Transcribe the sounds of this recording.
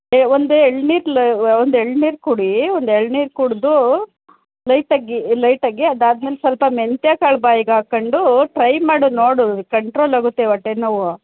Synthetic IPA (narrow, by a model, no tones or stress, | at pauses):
eond̪ueɭniːɾlond̪eɭniːɾkuɽiond̪eɭniːɾkuɽd̪u | lɐjʈɐɡilɐjʈɐɡːeɐd̪aːd̪meːlsɐlpɐment̪jaːkɐɭbaːjiɡaːkɐɳɖuʈɾɐjmaːɽunoːɽukɐɳʈɾoːlaːɡut̪ːeʋɐʈːenɐʋu